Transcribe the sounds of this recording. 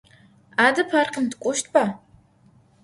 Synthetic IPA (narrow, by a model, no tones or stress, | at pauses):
aːdɐpʰaːrqʲəntkʷʼʊʃtʰba